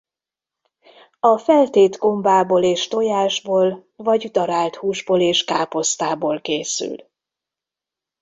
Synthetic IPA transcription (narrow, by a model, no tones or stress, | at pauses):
ɒfɛlt̪eːt̪ɡo̞mbaːboːleːʃt̪o̞jaːʒboːlvɒɟd̪ɒɾaːlt̪huːʒboːleːʃkaːpo̞st̪aːboːlkeːsy̰l